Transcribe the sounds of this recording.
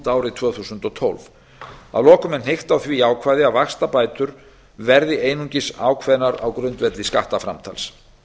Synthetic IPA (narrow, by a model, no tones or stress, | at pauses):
t̪aːwɾɪt̪ʰvœːθusʏnt̪ɔt̪ʰo̰lv | a̰ðlɔːkʏmɛnhejxt̪awθviaːwkʰvaːjðɪavaxst̪apaːjt̪ʏɾ̥ | vɛɾðɪeːjnuɲcɪsa̰ːwkʰvɛðnaɾa̰wkɾʏnt̪vɛt̪lɪskaht̪afɾa̰mt̪ʰa̰ls